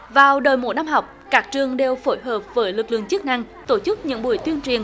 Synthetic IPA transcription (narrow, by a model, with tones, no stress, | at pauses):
vaː˨˩wɗəː˨˩jmo̰˧˨˦jna˧mɦa˨˩wk͡p̚kaː˦˥k̚t͡ɕɨ˨˩əŋɗe˨˧wfo˧˩jɦəː˨˩p̚vəː˨˦jlɨ˨˩k̚lɨ̰˧˨əŋt͡ɕɨ˦˥k̚na˧ŋ | t̪o˧˩t͡ɕɨ˦˥k̚ɲɨ̰˧˥ŋɓu˧˩əjt̪wi˧ənt͡ɕwi˨˩ən